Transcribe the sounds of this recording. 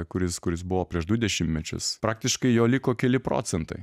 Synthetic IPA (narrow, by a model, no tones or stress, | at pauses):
kʊɾʲɪskʊɾʲɪsbʊʋoːpʲɾʲiɛʒd̪ʊd̪ʲɛʃʲɪmtʲmʲɛt͡ʃʲʊ̰spɾɑːk̚t̪ʲɪʃkɐɪjoːlʲɪkoːkʲɛlʲɪpɾo̰ːt̪sʲɛnt̪ɐɪ